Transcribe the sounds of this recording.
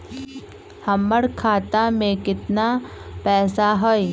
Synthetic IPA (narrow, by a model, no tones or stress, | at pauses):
hɐmːəɽkʰaːt̪amẽkɪt̪napɛːsaɦoj